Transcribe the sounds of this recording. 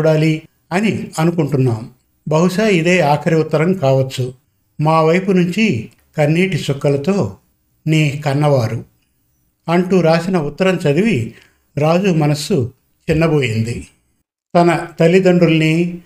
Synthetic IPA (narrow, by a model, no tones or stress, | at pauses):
ɽaːli | ɐniɐnukuɳʈunːaːmu | bɐɦuʃaːid̪e̞ːaːkʰɐɾiut̪ːɐɾɐmkaːʋɐt͡ʃːu | maːʋɐjpunuɲt͡ʃi | kɐnːiːʈit͡ʃɔkːɐlɐt̪o̞ː | neːkɐnːɐʋaːɾu | ɐɳʈuːɾaːsinɐut̪ːɐɾɐmt͡ʃɐd̪iʋi | ɾaːd͡ʒumɐnɐsu | t͡ʃinːɐbo̞ːjind̪i | t̪ɐnɐt̪ɐlid̪ɐɳɖulɐni